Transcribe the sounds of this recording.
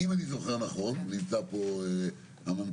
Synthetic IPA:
imanizoχeʁnaχo̞nːimt͡sapoe | amom

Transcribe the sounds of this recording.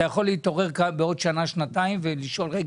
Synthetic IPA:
ajaχo̞lːeit̪o̞ʁe̞ʁkabeo̞d̪ʃanaʃnat̪aimveliʃo̞lʁe

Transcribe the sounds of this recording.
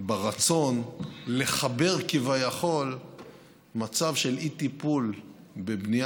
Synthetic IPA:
baʁat͡so̞nle̞χabe̞ʁkivajaχo̞l | mat͡savʃe̞lit̪ipul | bebni

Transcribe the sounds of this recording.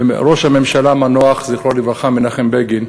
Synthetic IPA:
ɾo̞ʃhame̞mʃalamanoaχzejiχlolivʁaχaminaχembeɡin

